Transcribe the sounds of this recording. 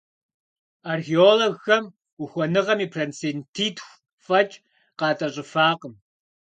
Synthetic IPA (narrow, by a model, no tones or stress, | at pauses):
arxeoːloɣːɐm | ʊxʷɔnɨʁɐmiːpʰrɐnt͡sentʰiːtʰxʷ | fɐt͡ʃʼ | qɑːtʼɐɕʼɪfaːqəm